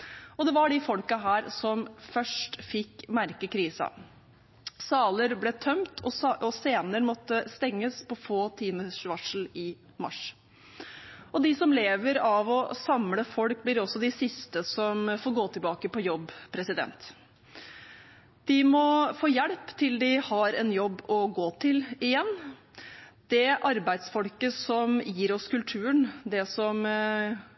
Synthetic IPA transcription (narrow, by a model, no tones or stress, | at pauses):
ɔd̪ɛʋɑɖɪfɔlkɑɦæːɾsɔmfœʂʈfɪkːmæɾkəkɾiːsɑ̰ | sɑːləɾblɛt̪ʰœmt̪ʰɔɔseːnəɾmɔt̪ːəst̪ɛŋːəspʰɔfoːt̪ʰiːməsʋɑʂl̩ɪ | mɑ̰ʂ | ɔd̪ɪsɔmleːʋəɾɑʋɔsɑmləfɔlk̚blɪɾɔsːɔd̪ɪsɪst̪əsɔmfoːɾɡoːt̪ʰɪlbɑːkəpɔjɔbːpʰɾɛsɪd̪ɛ̰nt̪ | d̪̥ɪmɔfoːjɛɽpt̪ʰɪld̪ɪhɑɾɛnjɔbːɔɡoːt̪ʰɪlɪjɛnː | d̪̥ɛʔɑɾbæɪd̪sfɔlkəsɔmjiːɾɔskʉlt̪ʰʉːəɳd̪ɛsɔm